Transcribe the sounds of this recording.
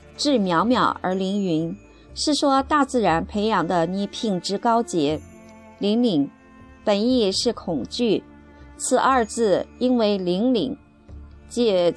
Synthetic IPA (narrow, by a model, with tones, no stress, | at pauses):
ʈ͡ʂɻ̩˥˩mjɑ˧˥ʊmjɑ˨˩ʊə̰˞˧˥li˧˥ŋy˧˥n | ʂɻ̩˥˩ʂwɔ˥t̪a˥˧t͡sɹ̩˥˩ɻa˧˥npʰe˧˥ɪjɑ˧˥˩ŋd̪ə˧ni˧˥pʰi˥˩ŋʈ͡ʂɻ̩˧˥kɑ˥ʊt͡ɕjɛ˧˥ | li˧˥ŋli˧˥ŋ | pə˨˩ni˥˧ʂɻ̩˥˩kʰʊ˨˩ŋt͡ɕy˥˩ | t͡sʰɹ̩˨˩ʔə˞˥˧t͡sɹ̩˥˩i˥nwe˥˩ɪli˧˥ŋlḭ˨˩ŋ | t͡ɕɛ˥˩